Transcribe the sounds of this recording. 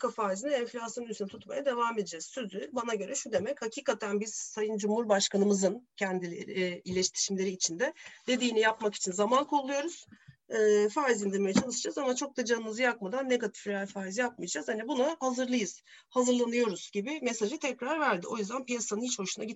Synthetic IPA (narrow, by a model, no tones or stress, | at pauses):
kʰafaːizininɛɱflʲasjonysynɛt̪ʰut̪majad̪e̞vaːme̞d̪id͡ʒɛz̥sø̞zybanaɟø̞ɾɛʃud̪e̞mɛchacʰiːkat̪ʰænbiz̥sajɯnd͡ʒumhuɾbaʃkanɯmɯzɯncʰɛnd̪ilʲḛɾɪilʲeʃt̪ʰi̥ʃimlʲe̞ɾiːt͡ʃʰind̪ɛd̪̥e̞d̪iːnijapmaki̥t͡ʃʰinzamankʰolˠːujo̞ɾuz̥ː | faːizind̪iɾmejɛt͡ʃʰalɯʃd͡ʒazamat͡ʃʰo̞k̚d̪ad͡ʒanːɯzɯjakmad̪anːe̞ɡat̪ʰi̥flʲiaɾfaːjizjap̚mɯijad͡ʒaz̥hanibunahazɯɾlˠɯjɯz̥ | hazɯɾlˠanɯjo̞ɾuz̥ɟibɪmesaʒɯt̪ʰɛcɾaɾvæɾd̪iʔo̞juzd̪ænpijasanɯnhit͡ʃboʃunaɟi